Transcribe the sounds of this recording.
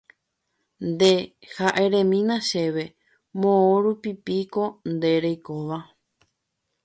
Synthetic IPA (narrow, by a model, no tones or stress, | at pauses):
nd̪e̞haʔe̞ɾẽ̞mĩnãʃe̞ʋe̞ | mõõɾupipiko̞nd̪e̞ɾejkoʋa